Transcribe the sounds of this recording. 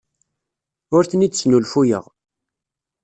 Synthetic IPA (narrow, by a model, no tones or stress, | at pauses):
ʊɾθnid̪snulfujə̰ʁ